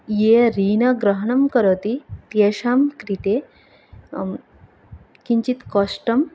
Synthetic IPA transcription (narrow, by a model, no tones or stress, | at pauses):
jeɾiːnɐɡɾɐɦɐɳɐmkəɾot̪it̪jeɕaːmkɾit̪e | kĩɲt͡ɕit̪kɔʂʈɐm